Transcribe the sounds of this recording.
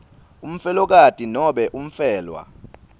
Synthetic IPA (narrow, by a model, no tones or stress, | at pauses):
um̩fɛlɔk̬atʼinɔɓɛʔum̩fɛːlwa̰